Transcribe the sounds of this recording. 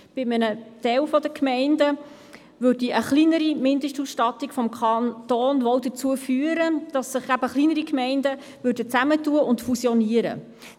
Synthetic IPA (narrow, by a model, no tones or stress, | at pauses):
b̥ɪmənət̪ɛwfɔd̪əkʰmɛɪndə | ʋøɾdiʔəχlinəɾimɪndəʃtusʃtɑt̪ːikfɔmkʰɑnt̪ɔːnʋɔwdət͡suəfyːəɾəd̥ɑsːəχæb̥əχliːnəɾikmɛɪndə | vøːɾdət͡sæmətuəʔʊntfusjɔniəɾə̰